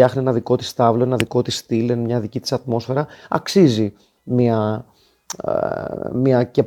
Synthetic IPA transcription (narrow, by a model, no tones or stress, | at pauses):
ɐxnienɐðiko̞t̪i̥st̪ɐvlo̞enɐðiko̞t̪ist̪ilenmɲɐðicit̪i̥sɐt̪mo̞sfe̞ɾɐɐ̰ksizi | miɐ | miɐce